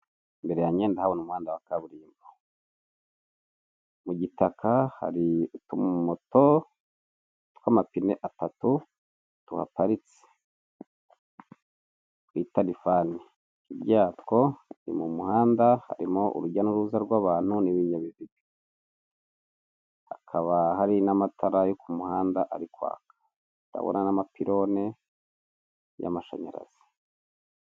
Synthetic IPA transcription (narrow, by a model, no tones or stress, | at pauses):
mbe̞ɾejaɲeːndahawonumuhaːndawakaβuɾiːmba | muɟitakʰaha̰ɾitummoto | tkwamapinḛʔatatu | tṵha̰paɾit͡se̥ | witalifani | ibɟaːtko̞nḭmumuhaːndaha̰ɾimo̞ʔṵɾuɟanuɾuzaɾɡwaβaːn̥huniβiɲaβiβibi | akʰaβahaɾinamatʰaɾajokumuhaːndaʔaɾikwa̰ːkḁ | ta̰βo̰nanamapiɾo̞ne̞ | ja̰maʃa̰ɲa̰ɾa̰z̥i̥